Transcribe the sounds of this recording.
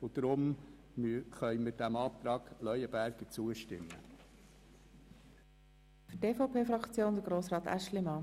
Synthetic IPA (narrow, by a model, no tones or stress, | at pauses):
ʊd̪̥ɾʊm | χœjmɪd̥æmɑːpt̪ɾɑːɡ̥lœʏəbæɾɡ̥ət͡suəʃtɪmːə | fʏteːfɔʊpʰeːfɾɑkt͡sjoːnd̪əɡ̥ɾoːsɾɑːt̪æ̰ʃlɪmɑː